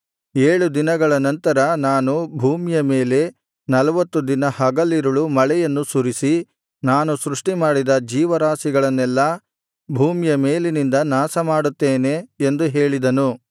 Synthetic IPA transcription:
eːɭud̪inɐɡɐɭɐnɐnt̪ɐɾɐnaːnubʱuːmjɐme̞ːle̞ | nɐlɐʋɐt̪ːud̪inɐhɐɡɐlːiɾuɭumɐɭɛjɐnːusuɾisi | naːnusɾuʂʈimaːɽid̪ɐd͡ʒiːʋɐɾaːsiɡɐɭɐnːɛlːɐ | bʱuːmijɐmeːlinind̪ɐnaːsɐmaːɽut̪ːeːne̞nd̪uɦe̞ːɭid̪ɐnu

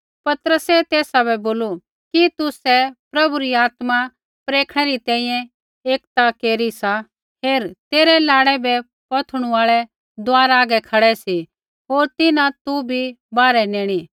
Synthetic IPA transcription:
pɐt̪ɾəsɛt̪eːsabɛboːlu | kit̪ʊsɛpɾɐbuɾiaːt̪ma | pɾeːkʰɽ̃ɛɾit̪ɛ̃ːĩːjɛ̃ | eːkt̪akeːɾisa | ɦeːɾt̪eːɾɛlaːɽɛbɛ | pɐt̪ʰɽ̃ũaːɭɛ | d̪aːɾaːɡɛkʰɐɽɛsi | ɦoːɾt̪ɪnãt̪ubʱibaːɾɛneːɽ̃iː

